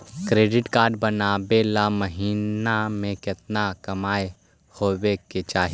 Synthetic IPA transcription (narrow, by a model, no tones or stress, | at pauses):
kɾeːɖɪʈkaːɾɖbənaːbelaməɦiːnamẽkɪt̪nakɐmaːe | hoːweket͡ʃaːɦi